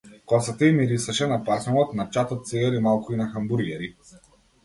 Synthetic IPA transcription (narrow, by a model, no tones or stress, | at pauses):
kɔsat̪əimiɾisɐʃɛnapasnɔlɔt̪nat͡ʃat̪ɔt̪̚sɛɡaɾimalˠkʊinaxambuɾɡɛɾi